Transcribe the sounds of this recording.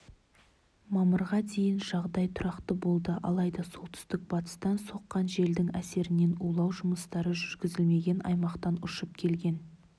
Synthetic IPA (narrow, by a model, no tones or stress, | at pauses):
mɑməɾʁɑd̪e̞jɪnʒɑʁd̪ɑjt̪ʰʊɾɑqt̪əbo̞lˠd̪əʔɑ̰lˠɑjd̪ɑso̞lˠt̪ʰʏ̥st̪ɪk̚bɑt̪ə̥st̪ɑnso̞qːɑnʒe̞ld̪ɪŋæse̞ɾɪne̞nulˠɑwʒʊməst̪ɑɾəʒʏɾɡʲɪzɪlme̞ɡʲe̞nɑ̰jmɑqt̪ɑnʊʃəp̚kʲʰe̞lɡʲe̞n